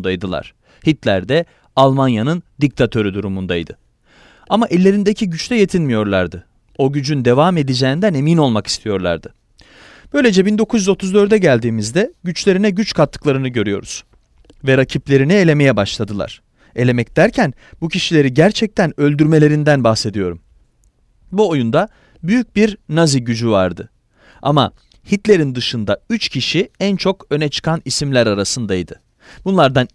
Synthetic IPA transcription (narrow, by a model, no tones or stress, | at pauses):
nd̪ajd̪ɯlˠa̰ɾ̥ | hit̪lʲæɾd̪ɛ | alˠmanjanɯnd̪ic̚t̪ʰat̪ʰø̞ɾyd̪uɾumund̪ajd̪ɯ | amaʔɛlʲːe̞ɾind̪ecʰiɟyt͡ʃt̪ɛje̞t̪ʰinmijo̞ɾlˠaɾd̪ɯ | o̞ɟyd͡ʒynd̪e̞vame̞d̪id͡ʒeːnd̪æne̞mino̞lˠmaki̥st̪ʰijo̞ɾlˠa̰ɾd̪ɯ | b̥ø̞jlʲe̞d͡ʒɛbind̪o̞kʰuzjyzo̞t̪ʰuzd̪ø̞ɾd̪ɛɟælʲd̪iːmizd̪ɛɟyt͡ʃlʲe̞ɾinɛɟyt͡ʃkʰat̪ʰːɯ̥klˠaɾɯnɯɟø̞ɾyjo̞̰ɾṵz̥ | vɛɾacʰiplʲe̞ɾinie̞lʲe̞me̞jɛbaʃlˠad̪ɯlˠa̰ɾ̥ | e̞lʲe̞mɛc̚d̪̥æɾcʰæn | bucʰiʃilʲe̞ɾiɟæɾt͡ʃʰɛc̚t̪ʰænø̞lʲd̪yɾme̞lʲe̞ɾind̪ænbaxse̞d̪ijo̞ɾṵm | buo̞jund̪a | byjyc̚biɾnaziɟyd͡ʒyva̰ɾd̪ɯ | a̰ma̰ | hit̪lʲe̞ɾind̪ɯʃɯnd̪ayt͡ʃcʰiʃiænt͡ʃʰo̞kø̞nɛt͡ʃʰɯ̥kʰanisimlʲæɾaɾasɯnd̪ajid̪ɯ | b̥unlˠaɾd̪an